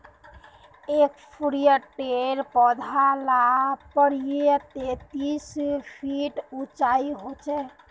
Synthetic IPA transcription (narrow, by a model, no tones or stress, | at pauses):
ekpʰɾijəʈeɾpɔd̪ʱalapəɽijet̪et̪ispʰiʈut͡ʃaiɦot͡ʃʰɛ